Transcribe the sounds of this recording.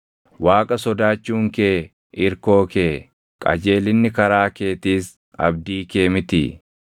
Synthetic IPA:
waːkʼɐsɔd̪aːt͡ʃːuːŋkeː | ɪɾko̞ːkeː | kʼɐ̰d͡ʒe̞ːlɪnːɪkɐɾaːke̞ːt̪iːs | ɐ̰b̚d̪iːke̞ːmɪt̪ɪ̰

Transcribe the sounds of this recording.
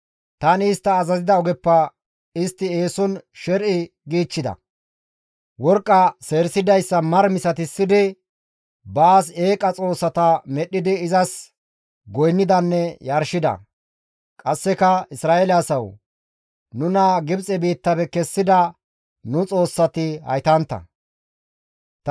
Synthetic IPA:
t̪ɐnɪɪst̪ːɐːzɐzɪd̪ɐɔɡɛpːɐ | ɪst̪ːɪeːsɔnʃɛɾʔɪ | ɡiːt͡ʃːɪd̪ɐ̰ | wɔɾkʼːɐse̞ːɾsɪd̪ɐjsːɐmɐɾmɪsɐt̪ɪsːɪd̪ɪ | baːs̬e̞ːkʼɐt͡sʼo̞ːsːɐt̪ɐmɛɗɪd̪ɪɪzɐs | ɡɔjnːɪd̪ɐnːɛjɐɾʃɪd̪ɐ̰ | kʼɐsːɛkɐɪsɾaːʔelɪsɐw | nʊnɐɡɪbt͡sʼɛbiːt̪ːɐbɛkɛsːɪd̪ɐ | nʊt͡sʼo̞ːsːɐt̪ɪhɐ̰jt̪ɐnt̪ːɐ̰ | t̪

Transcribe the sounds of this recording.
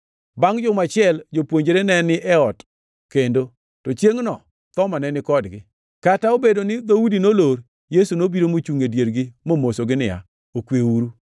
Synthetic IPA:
baŋd͡ʒʊmat͡ʃɪɛld͡ʒopwoɲd͡ʒeɾenɛnɪʔɛɔt | kendo | tot͡ʃjeŋnɔ | t̪ɔmanɛnɪkɔdɡɪ | kataobedonɪd̪oudinoloɾ | jesunobiɾomot͡ʃuŋedjeɾɡɪmomosoɡɪnɪa̰ | okweuɾu

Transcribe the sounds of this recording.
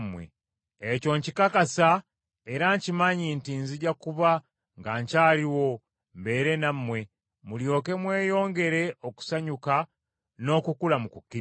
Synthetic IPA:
mwḛ | eco̞ɲcikakasa | eɾaɲcimaɲintinziɟakuβa | ŋɡaɲcaːliwo̞ | mbe̞ːɾe̞namːwe̞ | muljo̞ːke̞mwe̞ːjo̞ːŋɡe̞ɾe̞o̞ku̥saɲuka | no̞ːkukulamukukːi

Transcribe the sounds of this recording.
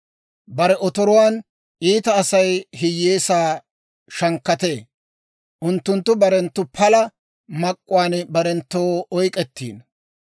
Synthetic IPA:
bɐɾɛɔt̪ɔɾɔwaːn | ʔiːt̪ɐːsɐjɦɪjːeːsaː | ʃɐŋkːɐt̪e̞ː | ʔʊnt̪ːʊnt̪ːʊbɐɾɛnt̪ːʊpʰɐlɐ | mɐkʼːʊwaːnbɐɾɛnt̪ːoːɔjkʼɛt̪ːḭːn

